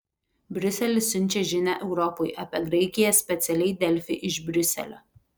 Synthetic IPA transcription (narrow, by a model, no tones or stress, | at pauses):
bʲɾʲʊsʲɛlʲɪsʲːʊnʲˑt͡ʃʲɛʒʲɪnʲæ̰ʔɛʊɾɔpojʔɐːpʲɛɡɾɐɪkʲɪjɛsʲpʲɛt̪sʲɛlʲɛɪd̪ʲɛlʲfʲɪɪʔɪʃbʲɾʲʊsʲɛ̰lʲo̰ː